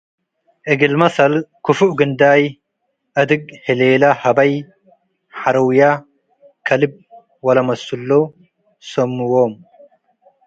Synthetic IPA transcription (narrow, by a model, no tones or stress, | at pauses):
ʔɪɡɪlmɐsɐlkʊfʊʔɡɨnd̪aːj | ʔɐd̪ɨɡ̚hɪleːlɐhɐbɐj | ħaɾɐwja | kʰɐlɪb̚ | wɐlɐmɐsʊlːo | sɐmːʊwom